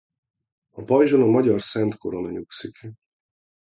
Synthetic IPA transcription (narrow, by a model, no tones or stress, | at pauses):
ɒpɒiʒonɒmɒɟɒrsɛnt̪ko̞ɾonɒɲuksik